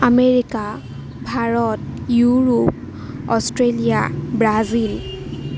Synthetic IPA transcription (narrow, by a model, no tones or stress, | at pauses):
ameɹika | bʱaɹɔtjuɹup̚ | ɔstɹelija̰bɹazil